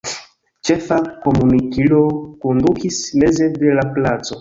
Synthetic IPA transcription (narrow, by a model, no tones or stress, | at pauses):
t͡ʃefakomunikilokondukismezedelaplat͡so